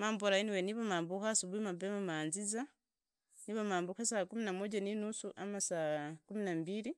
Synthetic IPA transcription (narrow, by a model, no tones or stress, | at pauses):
maːmbuɾainiweniβamaːmbuhasuβuimabemamaːnziza | niβamaːmbuhasakuminamoɟaninusuʔamasakuminambiɾi